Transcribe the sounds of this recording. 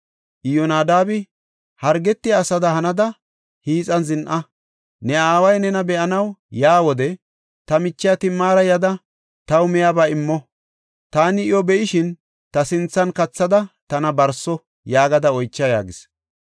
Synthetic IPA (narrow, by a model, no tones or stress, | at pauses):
ʔɪjɔnaːd̪aːbɪ | hɐɾɡɛt̪ːɪjːsɐd̪ɐhɐnɐd̪ɐ | hiːt͡sʼɐnzɪnʔɐ | nɛaːwɐjnɛnɐbɛʔɐnɐwjaːwɔd̪ɛ | t̪ɐmɪt͡ʃːɪjat̪ɪmːaːɾɐjɐd̪ɐ | t̪ɐwmɛjabaɪmːɔ | t̪aːnɪɪjɔbɛʔɪʃɪn | t̪ɐsɪnt͡sːɐnkɐt͡sːɐd̪ɐt̪ɐnɐbɐɾsɔ | jaːɡɐd̪ɐɔjt͡ʃːɐja̰ːɡɪs